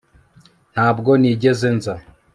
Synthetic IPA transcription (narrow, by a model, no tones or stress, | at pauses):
n̥haːbɡo̞niːɟe̞ze̞nza